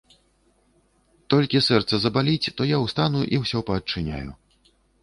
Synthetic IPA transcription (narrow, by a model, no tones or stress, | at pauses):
t̪ɔlʲkʲisɛrt̪sɐzɐbalʲit͡sʲt̪ɔjawst̪anuʔiwsʲɔpɐːt͡ʂːɨnʲa̰jṵ